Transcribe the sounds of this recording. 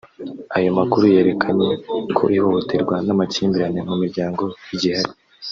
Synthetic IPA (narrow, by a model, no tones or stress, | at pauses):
ajo̞makuɾuje̞ːɾe̞kʰaɲe̞kʰo̞̰ʔiho̞hotʰeɾɡwanamaciːmbiɾane̞mumiɾɟaːŋɡo̞jiɟihaɾi